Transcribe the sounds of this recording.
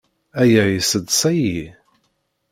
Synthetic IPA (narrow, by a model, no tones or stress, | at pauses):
æjæisəd̪sæji